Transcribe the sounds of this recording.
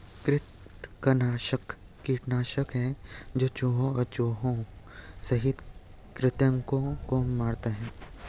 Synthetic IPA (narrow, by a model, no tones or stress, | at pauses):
kɾɪt̪ | kɐnaːʃəkː | iːʈnaːʃəkɦɛ̃d͡ʒoːt͡ʃoːɦõɔɾt͡ʃoːɦõ | sɐɦɪt̪ | kɾɪt̪jə̃ŋkõkomaːɾt̪eɦɛ̃ː